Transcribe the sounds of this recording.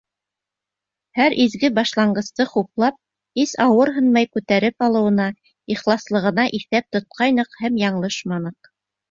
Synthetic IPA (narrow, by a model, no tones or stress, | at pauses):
hæɾʔizɡɘbɑʃlˠɑɴɢɤ̆st̪ɤχuplˠɑp̚ | isɑwɤɾɦɤ̆nmɑjkʉt̪æɾɘpɑlˠɤ̆wɤ̆nɑ | iχlˠɑslˠɤ̆ʁɤ̆nɑʔiθæp̚t̪ŏt̪̚qʰɑjnɤqhæmjɑɴlˠɤʃmɑnɤq